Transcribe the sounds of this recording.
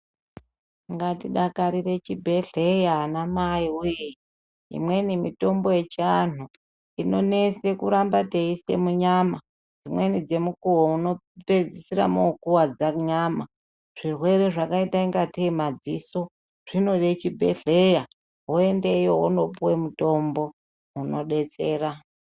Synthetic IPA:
ŋɡatiɗakaɾire̞t͡ʃibʱe̞ɮe̞jaːnamaiujeji | ḭmwe̞nimito̞mbo̞je̞t͡ʃianu | ino̞ne̞se̞kuɾambate̞ise̞̰muɲama | d͡zimwe̞nid͡ze̞mukuwouno̞ | pe̞d͡zisiɾa̰moukuwad͡zaɲama | ʐ̥irwe̞ɾe̞ʐakaitaiŋɡatemad͡ziso̞ | ʐ̥ino̞ɗet͡ʃibʱḛɬeja | ɦoe̞ndejoɦono̞puwemuto̞mbo̞ | uno̞ɗe̞t͡se̞ːra

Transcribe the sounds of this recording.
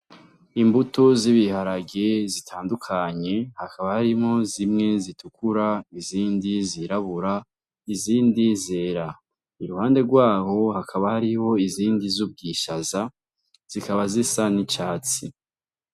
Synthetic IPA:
imbutoziβihaɾaɡezitʰaːndukʰaɲe̞hakʰaβahaɾimŋo̞zimŋe̞zitʰukuɾaiziːndiziɾaβuɾa | iziːndizeɾa | iɾuhaːnde̞ɡwaːho̞hakʰaβahaɾiho̞iziːndizub̚ɡiːʃaza | z̥ikaβazisanit͡ʃaːt͡si

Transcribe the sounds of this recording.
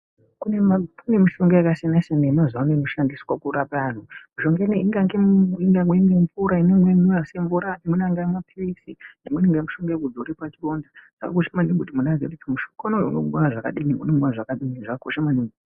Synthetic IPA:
kunekune̞miʃoŋɡojakasenaseneinozaunenoʃandiswakuɾapan̤umuʃoŋɡeniiŋɡaŋɡeiŋɡaŋɡweiŋɡeɱvuɾainemwemujaseɱvuɾanimunaŋɡamapʰiisinimweneŋɡamuʃoŋɡaekud͡zoɾipat͡ʃiro̞ndaʐ̥a̰ka̰kuʃamaniŋɡutimunad͡zekutimuʃo̥kanoṵno̰kuɓanaʐaka̰ɗiniunemuaʐakaɗiniʐakakuʃamaniŋu

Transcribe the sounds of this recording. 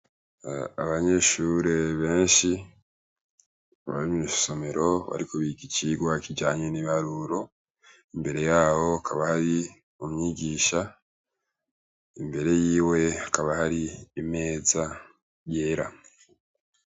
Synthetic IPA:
a̰βaɲe̞ʃuɾe̞βe̞ːnʃi | βa̰ɾimi̥so̞me̞ɾo̞βa̰ɾikoβiɡiciɡwakiɟaːɲeniβaɾuɾo̞ | imbe̞ɾe̞jaːho̞akʰaβahaɾi | umɲiːɟiːʃa | imbe̞ɾe̞jiːwe̞akaβahaɾiːme̞ːza | jeːɾa

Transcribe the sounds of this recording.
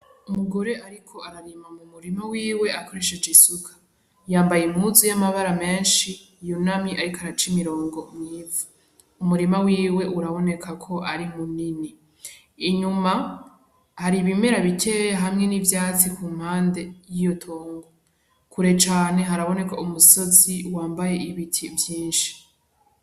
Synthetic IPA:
umuɡo̞ɾe̞ʔaɾikʰo̞aɾaɾimamumuɾimawiːwe̞ʔako̞ɾe̞ʃe̞d͡ʒesukʰḁ | jaːmbajemuzujamaβaɾame̞ːnʃiː | jonamiʔaɾikoaɾat͡ʃimiɾo̞ːŋɡo̞mivu | umuɾimawiːwe̞ʔuɾaβo̞ne̞kʰakʰo̞ʔaɾimunini | iɲuma | haɾiβime̞ɾaβitʰejaɦamŋe̞nivjaːt͡sikʰuːm̥haːnde̞jijo̞tʰoːŋɡo | kʰuɾe̞t͡ʃaːne̞ɦaɾaβo̞ne̞kaumuso̞ziwaːmbaje̞iβitʰivjiːnʃi̥

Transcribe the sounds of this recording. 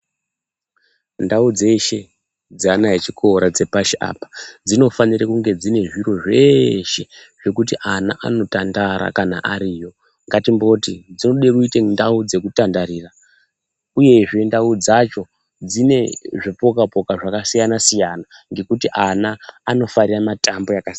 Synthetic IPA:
ndaud͡ze̞ʃe̞ | d͡zanaɦet͡ʃikʰo̞ɾad͡ze̞paʃiʔa̰ːpḁd͡zino̞fanirakuŋɡe̞d͡zine̞ʐiɾo̞ʐe̞ʃe̞ʐ̥ekutiʔana̰ʔano̞tandaɾa̰kana̰ʔaɾiːjo̞ | ŋɡatimbo̞tid͡zinoɗe̞ruitendaud͡ze̞kutandaɾiːra | uje̞ʐe̞ndaud͡zat͡ʃo̞ | d͡zine̞ʐipo̞kapo̞kaʐakasijanasijana | ŋɡe̞kutiʔanaːno̞fariramatambo̞jakasia

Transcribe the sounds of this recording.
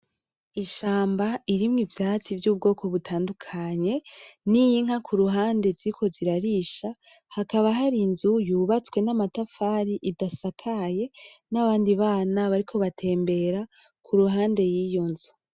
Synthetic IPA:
iʃaːmbaiɾimŋivjaːt͡sivjuːb̚ɡo̞ːkʰo̞βutʰaːndukʰaɲe̞nijiŋ̥akʰuɾuɦaːnde̞ziikʰo̞ziɾaɾiʃa | hakaβaɦaɾinzujuːβat͡swe̞namatafaːɾiʔidasakʰaje̞naβaːndiβaːnaβaɾikʰo̞βatʰe̞ːmbe̞ɾa | kʰuɾuɦaːnde̞jiːjo̞nzu̥

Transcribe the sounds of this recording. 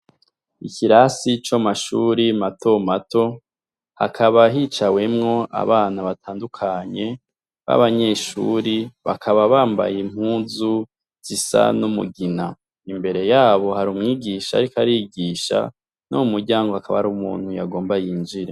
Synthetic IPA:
iciɾasit͡ʃamaʃuːɾimato̞mato̞ | ha̰kʰaβaɦit͡ʃawe̞mŋo̞a̰βaːnaβatʰaːndukʰaɲe̞ | βa̰βaɲe̞ːʃṵɾiβa̰kʰaβaβaːmba̰jim̥huːzu | z̥isa̰numṵɡina̰ | imbe̞ɾe̞jaːβo̞haɾumŋiːɡiʃa̰ɾikaɾiɡiːʃa̰ | nomumuɾɟaːŋɡo̞hakaβa̰ɾumṵːn̥huja̰ɡo̞ːmbajiːnd͡ʒiɾe

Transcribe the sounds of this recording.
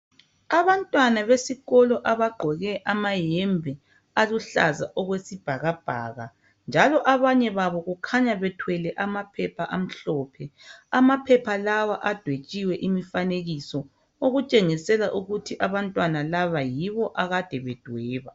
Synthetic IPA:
aβantʼwanaβesiɣɔlɔʔaβaɡ͡ǃʱɔɣɛʔamajɛmbʱɛ | aluɬa̰za̰ʔɔɣwesib̥ʱaɣab̥ʱa̰ːɣa | nd͡ʒʱalɔʔaβaɲɛβaβɔɣukʰaɲaβɛtʰwɛlɛʔamapʰɛpʰaʔam̩ɬɔːpʰɛamapʰɛpʰalawaʔad̥ʱwet͡ʃʼiwɛʔimifaneɣisɔ | oɣut͡ʃʼeŋisɛlaʔuɣutʰiʔaβantʼwanalaβajiβɔʔaɣad̥ʱɛβɛd̥ʱwɛːβa

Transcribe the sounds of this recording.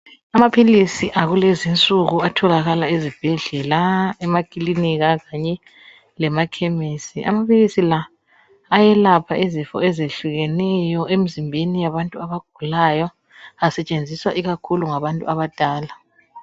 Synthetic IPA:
amapʰilisiʔaɣulezint͡sʼuɣuatʰɔlaɣalaezib̥ʱɛɮɛlaɛmakʼiliniɣaɣaɲɛ | lɛmakʰemisiʔa̰mapʰilisilaː | jɛlapʰaʔezifɔ̰ɛzeɬuɣɛnɛjɔʔem̩zimbʱenijaβantʼuaβaɡ̥ʱulajɔ | asɛt͡ʃʼend͡zʱiswa̰ʔiɣakʰuluŋaβantʼṵʔaβad̥ʼʱaːla

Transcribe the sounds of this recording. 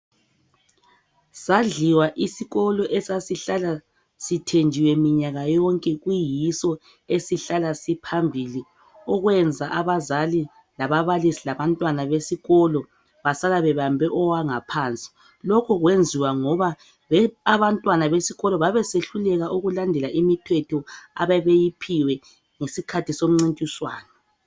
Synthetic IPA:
saɮiwaʔisiɣɔlɔʔɛsasiɬala | sitʰend͡ʒʱiwɛmiɲaɣajɔŋkʼɛɣujisɔ | esiɬalasipʰambʱili | ɔɣwɛnd͡zʱaʔaβazali | laβaβalisilaβantʼwanaβesiɣɔlɔ | βasalaβɛβambʱɛʔɔwaŋapʰant͡sʼi̥ | lɔkʰɔɣwend͡zʱiwaŋɔβa | βɛaβantʼwanaβesiɣɔlɔβaβɛseɬulɛɣaʔuɣulandʱɛlaʔimitʰwɛtʰɔa̰βɛβejipʰiwɛ | ŋesikʰatʰisom̩ŋ͡ǀintʼiswa̰ːnɔ

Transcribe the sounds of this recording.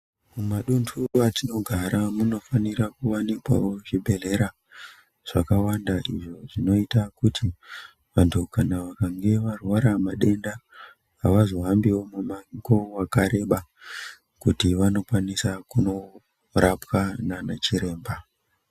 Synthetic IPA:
mumaɗuntʰuatino̞ɡʱaɾamuno̞fanirakuwanikwa̰wo̞ʐibʱe̞ɮe̞ɾa | ʐ̥akawandaʔiʐo̞ʐino̞itakutʰi | ʋantʰukanaʋakaŋɡe̞ʋarwaɾamaɗe̞ndaː | ʋazoɦambiwo̞mumaŋkowakaɾe̞ɓa | kutiʋano̞kwanisakuno̞ | rapwananat͡ʃiɾe̞ːmba

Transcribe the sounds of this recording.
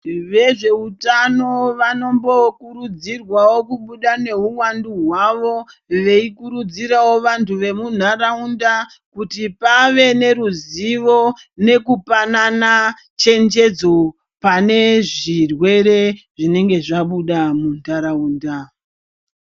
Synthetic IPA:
ʋe̞ʐe̞utano̞ʋano̞mbo̞kuɾud͡zirwawo̞kuɓuɗane̞uwanduɦwaʋo̞ʋe̞ikuɾud͡ziɾawo̞ʋantʰuʋe̞mun̤aɾaunda | kutipaʋe̞ne̞ɾuziʋo̞ | ne̞kupanana | t͡ʃe̞nd͡ʒe̞d͡zo̞ | pane̞ʐirwe̞ɾe̞ | ʐine̞ŋɡe̞ʐaɓuɗamunaɾauːnda

